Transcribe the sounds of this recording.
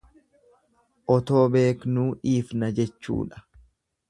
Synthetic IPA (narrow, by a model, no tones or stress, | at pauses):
ʔɔt̪o̞ːbe̞ːknuːᶑiːfnɐd͡ʒɛt͡ʃːṵːᶑɐ̥